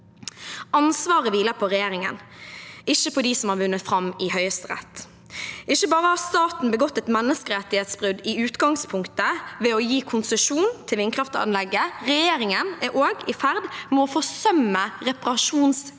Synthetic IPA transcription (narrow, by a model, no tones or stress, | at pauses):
ɑnsʋɑːʁəʋiːləpʰɔʁɛjeːɾɪŋə̰nɪçːəpʰɔd̪isɔmhɑʁʋʉnːət̪fɾɑmɪhœʏəst̪əʁɛ̰t̪ː | ɪçːəbɑːʁəhɑst̪ɑːt̪n̩bəɡɔt̪ːɛt̪mɛnːəskəɾɛt̪ːɪheːt̪sbʁʉd̪ɪʉːt̪ɡɑŋspʰʊŋkt̪əʋɛɔjiːkʰʊnsəʂuːnt̪ʰɪlʋɪnkʰʁɑft̪ɑ̰nlɛɡːəʁɛjeːɾɪŋənɛʔoːɡɪfæʁd̪mɔfɔsœmːəʁɛpɑʁɑʂuːns